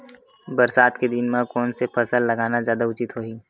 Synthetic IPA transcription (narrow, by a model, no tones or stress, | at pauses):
bɐɾsaːt̪ked̪ɪnmãkɔːnsepʰɐsəlːɐɡaːnazjaːd̪aʊt͡ʃɪt̪ɦoːiː